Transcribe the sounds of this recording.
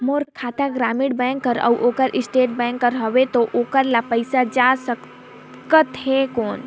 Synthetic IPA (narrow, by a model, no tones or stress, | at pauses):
moːɾkʰaːt̪aɡɾaːmiɽbɛ̃ːŋkːəɾə̰wʔoːkəɾʔɪsʈeːʈ̚bɛ̃ːŋkːəɾɦəʋet̪oʔoːkəɾlapəɪsad͡ʒasək | kət̪ɦekoːn